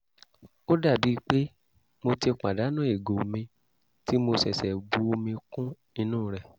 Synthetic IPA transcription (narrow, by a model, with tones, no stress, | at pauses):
o˦da˦˨bi˨˦k͡pe˦ | mo˧te˧k͡pa˨da˨˦nũ˦e˦˨ɡo˨mĩ˧ | ti˦mo˧sɛ˨sɛ˨ɡ͡bu˨˦o˧mĩ˧kũ˦ | i˧nũː˦˨ɾɛ˨